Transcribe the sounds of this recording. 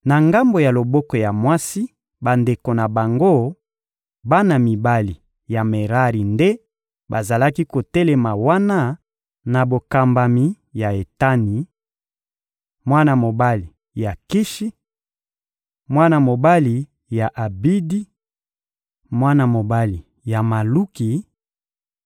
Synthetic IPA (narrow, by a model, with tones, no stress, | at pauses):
na˨ŋɡa˦mbo˨ja˨lo˨bɔ˦kɔ˨ja˨mwa˦si˦ | ba˨nde˨ko˨na˨ba˨ŋɡo˦ | ba˦na˨mi˨ba˦li˨ | ja˨me˨ʁa˦ʁi˨nde˦ | ba˨za˨la˦ki˦ko˨tɛ˦le˨ma˨wa˦na˦ | na˨bo˨ka˨mba˨mi˨ | ja˨e˨ta˦ni˨ | mwa˦na˨mo˨ba˦li˨ | ja˨ki˦ʃi˦ | mwa˦na˨mo˨ba˦li˨ | ja˨ʔa˨bi˦di˦ | mwa˦na˨mo˨ba˦li˨ | ja˨ma˨lu˦ki˨